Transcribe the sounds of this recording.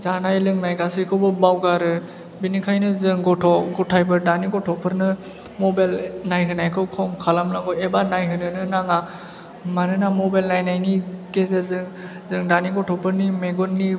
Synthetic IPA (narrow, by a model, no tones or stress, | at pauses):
zanajlɯŋnajɡasɯkʰɯwbɯbawɡaɾɯ | binikʰajnɯzɯŋɡɔtʰɔɡɔtʰajbɯdaniɡɔtʰɔpʰɯɾnɯ | mɔbalnajɦɯnajkʰɯwkʰɔmkʰalamnaŋɡɔebanajɦɯnɯnɯnaŋa | manɯnamɔbajlnajnajniɡezezɯŋ | zɯŋdaniɡɔtʰɔpʰɯɾnimeɡɔnːi